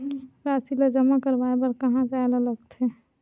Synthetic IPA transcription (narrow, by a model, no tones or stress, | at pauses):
ɾaːsilad͡ʒəmakəɾʋaebəɾkəɦãpalələɡt̪e